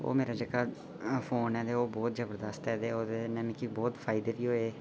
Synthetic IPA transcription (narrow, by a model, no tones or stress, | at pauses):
o̰ːmeːɾaːd͡ʒəɡaː | pʰoːnɛːd̪eːoːbɔːt̪d͡ʒəbəɾd̪əst̪ɛːd̪eːoːd̪enɛmkiːbɔːt̪pʰaːɪd̪eːʋiːɦoːeː